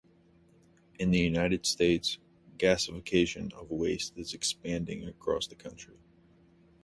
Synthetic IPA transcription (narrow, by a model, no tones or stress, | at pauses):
ɨ̃nðɨjʉnaɪɾɨd̥steɪts | ɡ̥æsɨfɨkʰeɪʃɨ̃nʌ̰vweɪstɨzɨkspæ̃ndɪ̰̃ŋɨkʰɹ̥ɔ̰sðɨkʰʌ̃nt͡ʃɹ̥i